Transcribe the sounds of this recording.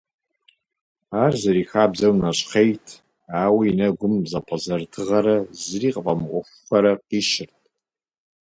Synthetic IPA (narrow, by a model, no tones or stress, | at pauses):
arzaɾixabzawnat͡ʃʷʼqʰejtʰ | awiːnaɡʷʊmzapʰʼazartʰɨʁaɾazriqʼpʼamqʷʊʂʷːaɾaqiʃɪrtʼ